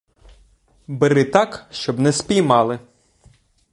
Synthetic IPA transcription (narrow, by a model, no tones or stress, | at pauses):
bɪɾɪt̪ɑkʃt͡ʃɔbnɛspʲijmɑlˠɪ